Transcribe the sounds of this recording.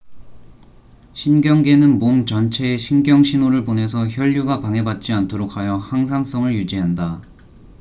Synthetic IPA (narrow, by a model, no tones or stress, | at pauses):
ɕʰinɡjʌŋɡe̞nɯnmomt͡ɕʌnt͡ɕʰe̞ːɕʰinɡjʌŋɕʰinoɾɯɭponɦe̞sʰʌçjʌʎːuɡapaŋɦe̞bat̚t͡ɕ͈iantʰoɾok̚ʰajʌhaŋs̬ʰaŋs͈ʌŋɯɭjud͡ʑiɦanda